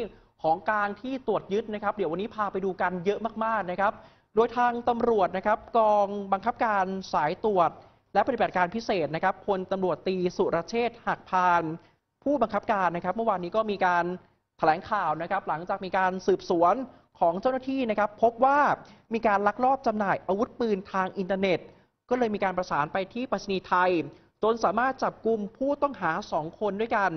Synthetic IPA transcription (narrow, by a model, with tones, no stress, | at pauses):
kʰɔː˩˦ŋklaː˧ŋt̪ʰiː˥˩t̪u˨˩ət̪̚jɯ˦˥t̪̚na˦˥kʰɾa˦˥p̚d̪i˩˦wa˧nːiː˦˥pʰaː˧pa˧jduː˧ka˧njɤ˦˥ʔmaː˥˩k̚maː˥˩k̚na˦˥kʰɾa˦˥p̚ | doː˧jt̪ʰaː˧ŋt̪a˧mɾu˨˩ət̪̚na˦˥kʰɾa˦˥p̚kɔː˧ŋba˧ŋkʰa˦˥p̚kaː˧nsaː˩˦jt̪u˨˩ət̪̚ | lɛ˦˥ʔpa˧t̪i˨˩ba˨˩kaː˧npʰi˦˥seː˨˩t̪̚na˦˥kʰa˦˥pʰo˧nt̪a˧mɾu˨˩ət̪ːiː˧su˨˩ɾʔaː˧t͡ɕʰeː˥˩t̪̚ha˨˩k̚pʰaː˧n | pʰuː˥˩ba˧ŋkʰa˦˥p̚kaː˧nː˦˥kɾa˦˥p̚mɯ˥˩˨waː˧nːiː˦˥kɔː˥˩miː˧kaː˧n | t̪ʰa˧lɛː˩˦ŋkʰaː˨˩wna˦˥kʰɾa˦˥p̚la˩˦ŋt͡ɕaː˨˩k̚miː˧kaː˧nsɯː˨˩p̚su˩˦ən | kʰɔː˩˦ŋt͡ɕa˥˩wnaː˥˩t̪ʰiː˥˩na˥kʰɾa˦˥pʰːo˦˥p̚waː˥˩miː˧kaː˧nla˦˥k̚ɾɔː˥˩p̚t͡ɕa˧mnaː˨˩jʔaː˧wu˦˥t̪̚pɯː˧nt̪ʰaː˧ŋʔi˧nt̪a˧ne˨˩t̪̚ | kɔː˥˩lɤː˧jmiː˧kaː˧npɾa˧saː˩˦npa˧jt̪ʰiː˥˩pa˧t̪sʰi˧niː˧t̪ʰa˧j | t͡ɕo˧nsaː˨˩˦maː˥˩t̪̚t͡ɕa˨˩p̚ku˧mpʰuː˥˩t̪ɔ˥˩ŋɦaː˩˦sɔː˩˦ŋkʰo˧ndu˥˩əjka˧n